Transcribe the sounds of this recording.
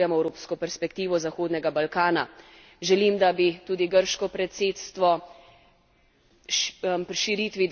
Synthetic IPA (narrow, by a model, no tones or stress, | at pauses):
jɛmɔɛwɾoːpskɔpɛɾspɛkt̪iːʋɔzaxoːd̪nɛɡabalkaːna | ʒɛlimd̪abit̪uːd̪iɡəɾʃkɔpɾɛt̪seːt̪st̪ʋɔ | pɾiʃiɾit̪ʋid̪